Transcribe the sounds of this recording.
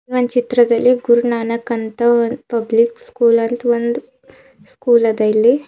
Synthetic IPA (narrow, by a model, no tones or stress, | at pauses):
ʋɐnt͡ʃit̪ɾɐd̪ɐlːiɡuɾunaːnɐkɐnt̪ɐʋɐnpɐblikskuːlɐnt̪ʋɐnd̪u | skuːlɐd̪ɐlːi